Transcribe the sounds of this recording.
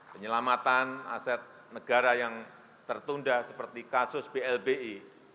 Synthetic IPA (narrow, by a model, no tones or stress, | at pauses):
pəɲəlamat̪ana̰sɛt̪̚ | nəɡ̥aɾajaŋ | t̪ərt̪undasəpərt̪ikasʊsb̥eɛlbei